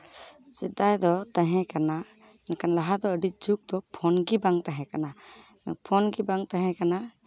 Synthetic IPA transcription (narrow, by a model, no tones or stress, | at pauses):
sid̪ajd̪ɔt̪aɦɛ̃kana | nɛkanlaɦad̪ɔəɖid͡ʒuk̚d̪ɔpʰɔnɡibaŋt̪aɦɛ̃kana | ɛpʰɔnɡibaŋt̪aɦɛ̃kana